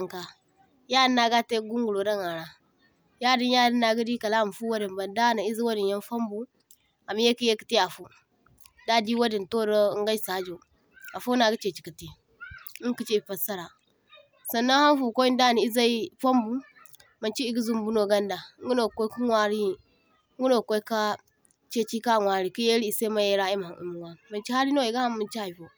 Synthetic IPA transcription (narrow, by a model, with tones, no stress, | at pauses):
ŋka˨ | ja˦nːa˦ɡa˦te˦ɡu˦ŋɡu˨lo˨da˦ŋa˨ɾa˨ | ja˦di˦nja˦di˦nːa˨ɡi˦di˦ka˨la˦˨m˨fu˦wa˦di˨mba˨nda˦na˨i˦zi˦wa˦di˨nja˦nfa˦mbu˦ | a˨m˦je˦ki˦je˦ki˨ti˦a˨fu˦ | da˦di˦wa˦di˨nto˦ɾo˦ŋɡa˦sa˨˦d͡ʒo˨ | a˨fu˦na˨ɡi˦t͡ʃe˨t͡ʃi̥˨ki˨ti˨ | i˦ŋ˦ki˦t͡ʃi˦i˨pa˨sa˦ɾa˨ | sa˨nːa˦ha˦n˦fu˨ko˦i˦n˦da˦˨ni˨i˦za˦i˦fa˦mbu˦ | ma˨nt͡ʃi˦i˦ɡu˦zu˨mbu˦no˨ɡa˦nda˨˦ŋ˦ɡu˦no˨kʷo˦ku˦ŋʷa˦ɾi˦˨˦ | ŋɡu˦no˨ko˦i˦ka˦ | t͡ʃe˦t͡ʃi˦ka˦˨ŋʷa˨ɾi˦ki˦je˦ɾi˦i˨sa˦ma˦je˦ɾa˦i˦ma˨ṵ˨mu˨wa˦ma˨nt͡ʃi˦ha˦ɾi˦no˦i˨ɡa˦ha˦mːu˨nt͡ʃi˦a˨fo˨